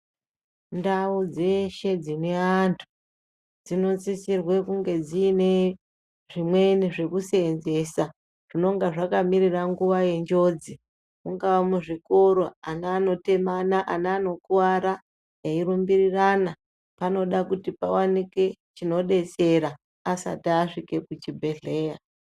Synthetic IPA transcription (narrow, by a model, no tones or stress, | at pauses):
ndaud͡ze̞ʃe̞d͡zine̞aantʰu̥ | d͡zino̞t͡sisirwe̞kuŋɡe̞d͡ziːne̞ | ʐimwe̞niʐe̞kusenze̞ːsa | ʐ̥ino̞ŋɡaʐakamiɾiraŋɡuʋaje̞nd͡ʒo̞d͡zi | muŋɡaʋamuʐiko̞ɾo̞anaːno̞te̞manaʔanaano̞kuwaɾa | jairumbirirana | pano̞ɗakutipawanike̞t͡ʃino̞ɗe̞t͡se̞ɾa | asa̰tiːʂike̞kut͡ʃibʱe̞ɮe̞ːja